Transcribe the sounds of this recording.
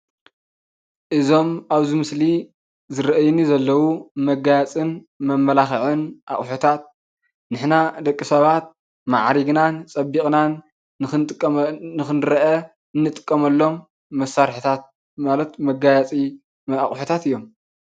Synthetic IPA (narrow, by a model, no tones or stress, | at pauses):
ʔɨzo̞maβzimɨsli | zɨɾɐʔɐjnizɐlːɐwumɐɡajat͡sʼɨn | mɐmːɐlaxʕɨnʔa̰χʼħut̪ʰat̪̚ | nɨħnad̪ɐkʼːisɐβat̪̚ | ma̰ʕɾiɡnant͡sʼɐbːikʼnan | t̪ʼkʼːɨxɨnɾɐʔɐ | ɨnːɨt̪ʼɨ̥kʼːɐmɐlːo̞mː | ɐsːaɾħɨt̪ʰat̪̚ | malɐt̪mɐɡajat͡sʼi | aχʼħut̪ʰat̪ɨjːo̞m